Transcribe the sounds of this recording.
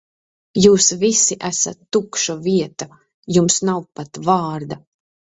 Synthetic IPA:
juːsvisiʔæsat̪ːukʃɔviɛt̪a | jumsnawpat̪vaːɾd̪a

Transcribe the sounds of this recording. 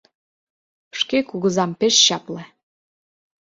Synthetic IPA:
ʃkekuɣəzɑmpeʃɕɑple

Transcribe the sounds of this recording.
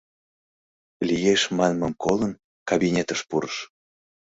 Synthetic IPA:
lʲijeʃmɑnmə̆mkolən | kɑβinʲet̪əʃpuɾəʃ

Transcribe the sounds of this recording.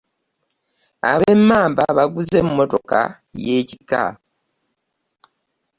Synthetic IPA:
a̰βe̞mːaːmbaβaɡuze̞mːo̞to̞ka̰ | jeːci̥ka̰

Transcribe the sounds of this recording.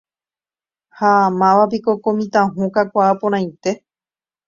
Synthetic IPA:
hamãʋapiko̞komĩt̪ãɦũkakʷaːpoɾ̃ãj̃t̪e̞

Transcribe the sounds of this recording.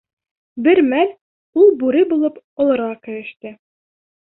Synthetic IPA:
bɘɾmæl | ulˠbʉɾɘbulˠɤp | ŏlˠɤ̆ɾʁɑkɘ̆ɾɘ̆ʃt̪ɘ

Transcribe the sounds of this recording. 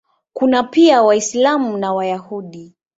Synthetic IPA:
kunapiawaislamunawajahuɗi

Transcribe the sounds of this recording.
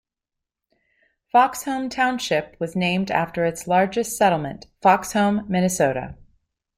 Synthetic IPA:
fɑkshõʊ̃mtʰãʊ̃nʃɪp̚wʌznẽɪ̃mdæ̰ftə˞ɨtslɑɹd͡ʒɨstsɛɾl̩ˠmɨ̰̃ntfɑkshõʊ̃mːɪnɨsoʊɾɨ̰

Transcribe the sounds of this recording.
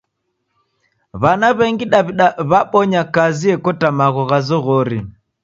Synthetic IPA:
βanaβɛŋɡiɗaiβaɓɔɲakaziɛkɔtamaɣɔɣazɔɣɔɾi

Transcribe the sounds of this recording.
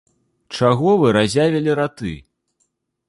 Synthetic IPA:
t͡ʂaɣɔvɨɾazʲavʲɛlʲiɾat̪ɨ̰

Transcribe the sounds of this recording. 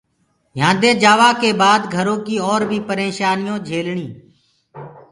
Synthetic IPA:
jãːd̪eːd͡ʒaːʋaːkeːbaːd̪ɡʱəɾõːkiːɔːɾbʱiːpəɾeːʃaːnɪjõːd͡ʒʱeːlɳiː

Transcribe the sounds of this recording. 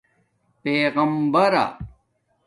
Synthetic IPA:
peːɣɐmbɐɾa̰

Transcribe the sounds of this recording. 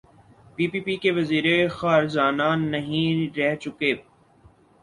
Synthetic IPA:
piːpiːpikeʋɐziːɾexaːɾd͡ʒaːnanɐɦĩɾɛɦt͡ʃʊkeː

